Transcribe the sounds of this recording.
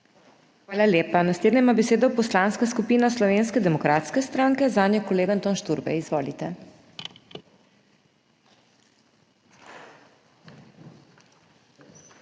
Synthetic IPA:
xʋaːlaljeːpanasleːd̪nɛmabɛseːd̪ɔpɔslaːnskaskupiːnaslɔʋeːnskɛd̪ɛmɔkɾaːt̪skɛst̪ɾaːŋkɛzaːnjɔkɔleːɡant̪ɔnʃt̪uɾbɛ̰izʋoːlit̪ɛ

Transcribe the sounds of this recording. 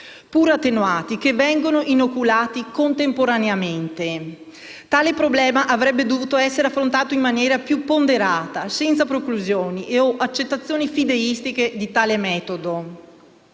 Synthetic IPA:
puːɾat̪ːenuaːt̪ik̟evːɛŋɡonoʔinokːulaːt̪ikont̪empoɾaneament̪e | t̪aːlepɾoblɛːmaʔavɾɛbːed̪ovuːt̪oɛsːeɾeafːɾont̪aːt̪oimmanjɛːɾapjupːond̪eɾaːt̪asɛnt̪sapɾokluzjoːniʔeoʔat͡ʃːet̪ːat̪sːjoːnifid̪eist̪ik̟ed̪it̪aːlemɛːt̪od̪o

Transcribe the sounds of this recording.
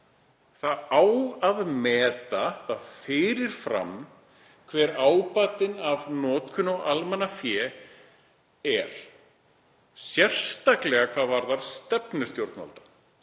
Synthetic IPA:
θaaːwaðmɛːt̪aθaðfɪːɾɪɾ̥fɾa̰m | kʰvɛːɾaːwpat̪ɪnavnɔːt̪kʰʏnɔɣalmɛnafjɛː | ɛɾ̥ | sjɛr̥st̪aklɛɣakʰv̥aːðvaɾðaɾ̥st̪ɛpnʏst̪jowɾt̪na̰lt̪ḁ

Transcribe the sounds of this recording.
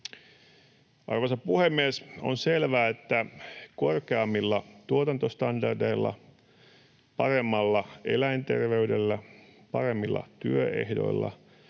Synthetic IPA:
ʔɑrʋosɑpuhemːieso̰nselʋæːet̪ːækorkeɑmːilːɑt̪uot̪ɑnt̪ost̪ɑndɑrde̞ilːɑ̰ | pɑɾe̞mːɑlːɑe̞̰læjnt̪e̞̰rʋe̞ydelːæpɑɾe̞mːilːɑ̰t̪yøḛhdo̞̰ilːɑ̰

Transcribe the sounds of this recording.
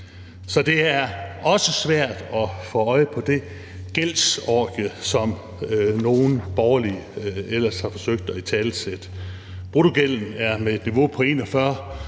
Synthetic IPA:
sɒ̽d̥e̝æɐɒ̽səsʋæɐ̰d̥ɒ̽fɔːɒ̽ɪəpʰɒ̽d̥e̝ | ɡ̥el̰sɒːɡ̥əsɒ̽m | no̝ːn̩b̥ɒʊɐliel̰ɐshɑ̈fɒ̽søɡ̥̚d̥ɒit͡sʰɛːlsed̥ə | pʰʁot͡soɡ̥el̰n̩æɐmee̝d̥niʋo̝pʰɒ̽e̝̰ːnɒfɶɐ̰

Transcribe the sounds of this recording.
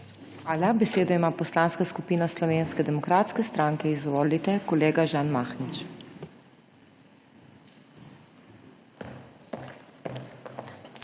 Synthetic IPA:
xʋaːlabɛseːd̪ɔimaːpɔslaːnskaskupiːnaslɔʋeːnskɛd̪ɛmɔkɾaːt̪skɛst̪ɾaŋkɛizʋɔːlit̪ɛkɔleːɡaʒaːnmaːxnit͡ʃ

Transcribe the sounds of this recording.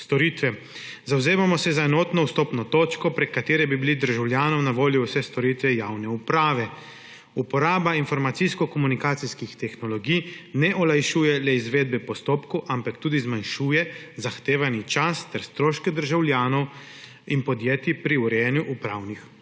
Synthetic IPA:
st̪ɔɾiːt̪ʋɛ | zawzeːmamɔsɛzaɛnɔːt̪nɔwst̪oːpnɔt̪oːt͡ʃkɔpɾɛkːat̪eːɾɛbibilid̪əɾʒawljaːnɔwnaʋoːljiwsɛst̪ɔɾiːt̪ʋɛjaːwnɛupɾaːʋɛ | upɔɾaːbainfɔɾmat̪siskɔkɔmunikaːt̪siskixt̪ɛxnɔlɔɡijnɛʔɔlajʃuːjɛlɛizʋeːd̪̚bɛpɔst̪oːpkɔʔampakt̪uːd̪izmanʃuːjɛzaxt̪eːʋanit͡ʃast̪ɛɾst̪ɾoːʃkɛd̪əɾʒawljaːnɔw | inpɔd̪jeːt̪ipɾiuɾɛnjuʔupɾa̰ːwnix

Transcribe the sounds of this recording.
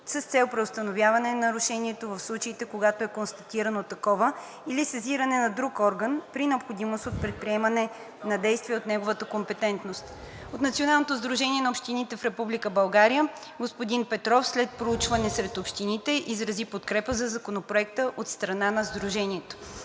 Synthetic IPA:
səst̪sɛlˠpɾɛʊst̪ənovjavɐnɛnɐɾʊʃɛniɛt̪ovəfslˠut͡ʃəit̪ɛkoɡat̪oɛkonst̪ɐt̪iɾɐnot̪ɐkɔvə | ilisɐziɾɐnɛnɐd̪ɾukɔɾɡənpɾinɛopxod̪imost̪ot̪̚pɾɛt̪̚pɾiɛmɐnɛ | nɐd̪ɛjst̪viɛot̪nɛɡovət̪əkompɛt̪ɛnt̪nost̪ | ot̪nɐt̪sionalˠnot̪ozd̪ɾuʒɛniɛnɐopʃt̪init̪ɛfɾɛpublikəbɐlˠɡaɾijə | ɡospod̪inpɛt̪ɾɔfslɛt̪̚pɾout͡ʃvɐnɛsɾɛt̪opʃt̪init̪ɛʔizɾɐzipot̪kɾɛpəzɐzɐkonopɾoɛk̚t̪əʔot̪st̪ɾɐnanɐzd̪ɾuʒɛniɛt̪o̥

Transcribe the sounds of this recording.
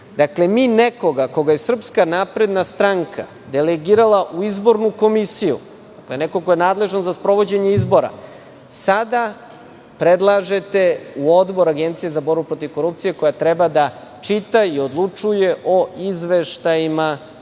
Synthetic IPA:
d̪akle̞miːneko̞ɡako̞ɡaje̞sr̩pskanapɾe̞d̪nast̪ɾaŋkʰa̰ | d̪eleɡiːɾalˠaʔuizbo̞ɾnuko̞misijṵ | d̪akle̞nekoko̞jenaːd̪le̞ʒanzaspɾo̞ʋo̞d͡ʑe̞ɲeizbo̞ɾa̰ | sad̪a | pɾed̪lˠaʒe̞t̪e̞uo̞d̪bo̞ɾaɡe̞nt̪sijezabo̞ɾbupɾo̞t̪iʋko̞ɾup̚t̪sije̞kojat̪ɾebad̪a | t͡ʃit̪aio̞d̪lˠut͡ʂuje̞ʔo̞izʋeʃt̪ajima

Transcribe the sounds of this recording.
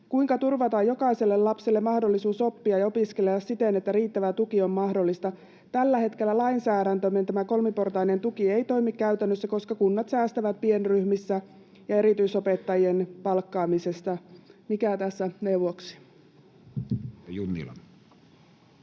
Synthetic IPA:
kuiŋkɑt̪urʋɑt̪ɑjjo̞kɑise̞lːellɑpselːemɑhdolːisuːso̞pːiɑjɑo̞piske̞leɑssit̪enet̪ːæɾiːt̪ːæʋæt̪ukio̞mːɑhdo̞lːist̪ɑ | t̪ælːæhe̞t̪ke̞lːælɑinsæːɾænt̪øment̪æmæko̞lmipo̞rt̪ɑine̞nt̪ukie̞jt̪o̞imikːæyt̪ænːøsːæko̞skɑkunːɑt̪sæːst̪æʋæt̪̚pie̞nryhmisːæ | jɑe̞ɾit̪yiso̞pe̞t̪ːɑjie̞npɑlkːɑːmise̞st̪ɑmikæt̪æsːæne̞uʋoksi̥ | junːḭlɑ̰n

